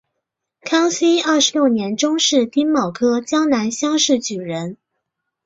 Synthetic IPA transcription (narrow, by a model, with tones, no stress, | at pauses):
kʰɑ˥ŋsi˥ɐ˥˩ʂɻ̩˧˥ljo˥˩ʊnjɛ˧˥nʈ͡ʂʊ˥ŋʂɻ̩˥˩t̪i˥nmɑ˨˩ʊkʰɤ˥t͡ɕjɑ˥ŋna˧˥nɕjɑ˥ŋʂɻ̩˥˩t͡ɕy˨˩ɻə˧˥n